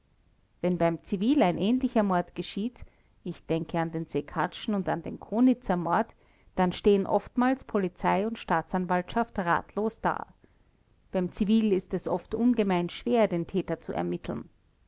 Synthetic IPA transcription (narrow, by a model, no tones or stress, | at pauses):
vɛnbaɪmt͡siviːlæɪnʔɛːnlɪçɐmɔɐtɡ̥əʃiːt | ɪçd̥ɛŋkʰəandeːnzekʰat͡ʃn̩ʊnta̰ndeːnkʰoːnɪt͡sɐmɔɐt | d̥anʃteːənʔɔ̰ftmaːlspʰolit͡saɪʊntʃtaːt͡sanvaltʃaftʁa̰ːtʰloːsd̥a̰ː | b̥æɪmt͡siviːlɪstɛsʔɔftʔʊnɡəmaɪnʃv̥eːɐdeːntʰɛːtɐt͡suɛ̰ɐmɪtʰl̩n